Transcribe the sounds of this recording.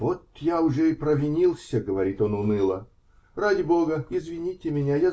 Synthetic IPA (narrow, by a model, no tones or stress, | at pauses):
vot̪jaʊʐɛɪpɾəvʲɪnʲilˠsʲəɡəvɐɾʲit̪o̞nʊnɨlˠə | radʲɪbo̞ɡəɪzvʲɪnʲitʲɪmʲɪnʲaja